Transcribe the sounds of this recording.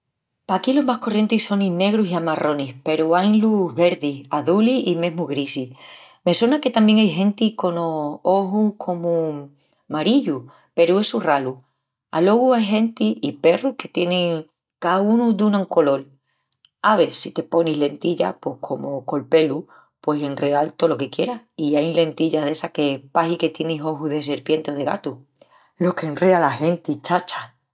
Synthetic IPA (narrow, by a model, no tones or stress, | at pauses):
pakilo̞ɦmahko̞rjent̪eso̞ninne̞ɣɾusiamaro̞nihpe̞ɾuajnluɦβe̞ɾðiaðuliime̞ɦmuɣɾisih | me̞swenake̞t̪ambje̞ŋajɦẽ̞nt̪iko̞noo̞ɦukʰo̞mu | maɾiʎu | pe̞ɾue̞suralu | alo̞ɣuajɦe̞nt̪iʔipe̞ruhke̞t̪je̞nẽŋ | kaunud̪unãuŋko̞lo̞l | aβe̞sit̪e̞po̞niɦle̞nt̪iʎa̰pwe̞hkʰo̞moko̞lpe̞lu | pwe̞se̞nre̞alt̪o̞lo̞ke̞kje̞ɾahiajle̞nt̪iʎaðe̞sake̞paɦike̞t̪je̞niɦo̞ɦuðe̞se̞ɾpje̞nt̪eoðe̞ɣa̰t̪u | lo̞ke̞nrealahe̞nt̪it͡ʃat͡ʃḁ